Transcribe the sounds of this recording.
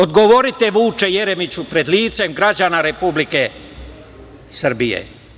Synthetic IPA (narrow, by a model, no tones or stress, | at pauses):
od̪ɡo̞ʋo̞ɾit̪e̞ʋuːt͡ʃe̞jeɾe̞mit͡ɕupɾe̞d̪liːt̪se̞mɡɾad͡ʒanaɾe̞publike | sr̩bijḛ